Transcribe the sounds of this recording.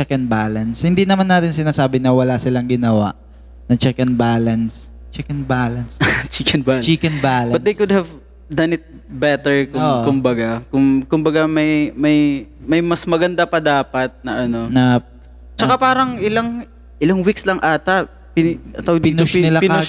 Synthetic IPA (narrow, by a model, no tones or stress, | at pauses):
t͡ʃɛkɛnbalɐnshɪnd̪inɐmanːaːt̪ɪnsɪnaːsaːbɪnɐwɐlasɪlaŋɡɪnɐwa̰ʔ | nɐt͡ʃɛkɛnbaːlɐns | t͡ʃɛkɛnbaːlɐnst͡ʃikɛnbat͡ʃikɛnbaːlɐbɐtnd̪ejkʊd̪̚hɐv | d̪ɐnɪt̪̚ | bɛt̪ɛɹkʊoːʔkʊmbɐɡakʊŋkʊmbɐɡamɐjmɐjmɐjmɐsmɐɡɐnd̪apɐd̪aːpɐt̪̚nɐʔɐno̞nɐp̚ | t͡ʃɐkapaːɾɐŋʔɪlaŋ | ʔɪlaŋwikslɐŋʔaːt̪ɐ | pɪɐt̪opɪnʊʃnɪlapn